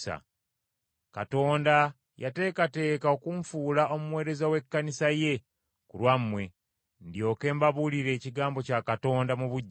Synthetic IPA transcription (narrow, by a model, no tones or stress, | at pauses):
a̰ | kato̞ːnda | jate̞ːkate̞ːkao̞kuɱfuːlao̞mumwe̞ːɾe̞zawe̞kːanisaje̞ | kulwamːwe̞ | ndijo̞ːke̞ːmbaβuliɾe̞ːciɡaːmbo̞cakato̞ːndamuβuɟː